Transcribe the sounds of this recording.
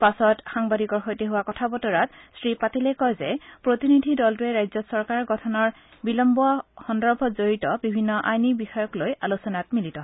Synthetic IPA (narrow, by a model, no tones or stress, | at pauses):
pasɔtxaŋbadikɔɹxojteɦʊwakɔtʰabɔtɔɹatsɹipatilɛkɔjzɛpɹotinidʱidɔltuɛɹajzɔsɔɹkaɹɡɔtʰɔnɔɹ | bilɔmbɔaxɔndɔɹbʱɔzoɹitɔbibʱinːɔʔajnibixɔjɔklojalusɔnat̚militɔɦɔ